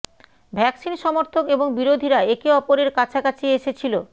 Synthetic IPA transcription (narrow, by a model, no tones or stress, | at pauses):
bʱɛksinʃɔmoɾt̪ʰokeboŋbiɾod̪ʱiɾaekeɔpoɾeɾkat͡ɕʰakat͡ɕʰieʃet͡ɕʰilo